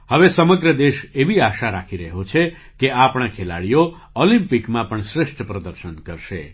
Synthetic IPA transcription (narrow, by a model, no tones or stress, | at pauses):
həʋesəməɡɾəd̪eʃeʋiaʃaɾakʰiɾəɦot͡ʃʰe | keapɳãkʰela̰ɽijo | olĩmpikmãpəɳʃɾɪʃʈʰəpɾəd̪əɾʃənkəɾʃḛ